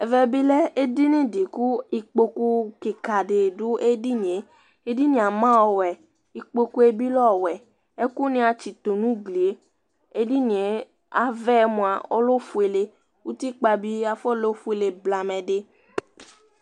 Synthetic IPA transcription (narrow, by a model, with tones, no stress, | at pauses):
ɛ˨vɛ˧bi˦lɛ˦e˦di˦nĩ˦di˨ku˦i˧k͡po˧ku˧ke˨ka˨de˨du˨˦ʔe˦di˦n˨e˨˦ | e˦di˦nĩ˧˦a˨mã˦ɔ˧˨wɛ˨ | i˧k͡po˧ku˦e˧bi˦lɔ˦˨wɛ˨ | e˦ku˦nĩ˧a˧t͡ʃi˨t̪o˨nũ˨˦ɡle˨˦ | e˦di˦nĩ˨e˨˦ | a˨˦vɛ˦˧mũ˧a˧o̰˦lo˦fu˧e˧le˧ | u˦ti˦k͡pa˧bi˦a˧fɔ˦˨lo˦fu˦e˧le˧bla˧mɛ̃˧de˧